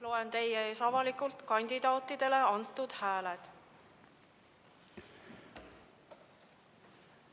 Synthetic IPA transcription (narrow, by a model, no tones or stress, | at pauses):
lo̞ent̪e̞jːeeːsɑvɑlikult̪kɑnʲd̪̥id̪̥ɑːt̪ːˑid̪̥e̞le̞ɑnt̪ːˑud̪̥hæːled̪̥